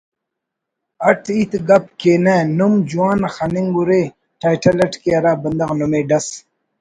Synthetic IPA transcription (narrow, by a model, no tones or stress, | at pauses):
ɐʈʰit̪ɡɐp̚keːnenumd͡ʑuwaːnxaniŋɡuɾe | ʈʰaːjʈʰɐlɐʈkeɐɾaːbɐnd̪ɐxnumeːɖɐs